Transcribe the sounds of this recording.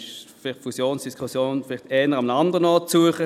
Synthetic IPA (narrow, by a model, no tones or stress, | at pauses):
ʃfɪlɪχtfusjoːnsd̥iskχusjoːnfɪlɪχtɛːnəʁamnandəʁənɔːt̚t͡suəχə